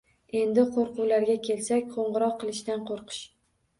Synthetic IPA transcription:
e̞nd̪ɪqʰoɾqʰʊwlaɾɡʲakʲʰe̞lsakʲqʰoɴʁɨɾɒqːɨlˠɪʃt̪anqʰoɾqʰɨ̥ʃ

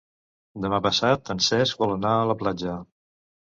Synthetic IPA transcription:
d̪əmapəsat̪ənsɛsk̚bɔlˠənaələplad͡ʒə

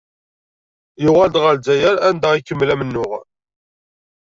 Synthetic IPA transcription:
jʊʁæld̪ʁəlzæjæɾænd̪æʁikːəmːlæmənːʊʁ

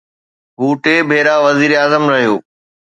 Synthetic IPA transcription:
ɦuːʈeːbʱeːɾaʋɐziːɾeaːzəmɾɐɦijoː

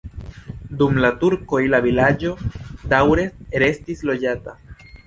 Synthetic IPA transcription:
dumlatuɾko̞ilavilad͡ʒo̞dawɾe̞ɾe̞stislo̞d͡ʒata

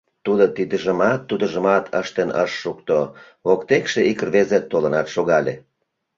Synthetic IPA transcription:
t̪ud̪ot̪id̪əʒəmɑt̪ːud̪əʒəmɑt̪ʰə̰ʃt̪enə̰ʃːukt̪o | okt̪ekʃeikərβezet̪ːolənɑt̪ʃoɣɑlʲe

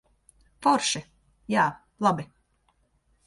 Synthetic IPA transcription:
fɔɾʃi | jaː | lˠabi

